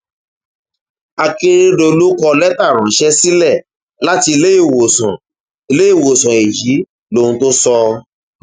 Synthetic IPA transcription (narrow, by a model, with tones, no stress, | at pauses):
a˧ke˦ɾɖo˧lu˦kɔ˧lɛ˦ta˦˨ɾ̃ã˨˦ʃɛ˦si˦lɛ˦˨ | la˦ti˧le˦e˦˨wo˨sã˨ | i˧le˦i˦˨wo˨sɔ̃˨e˨ji˨˦ | lõ˦˨ũ˧to˦sɔ˧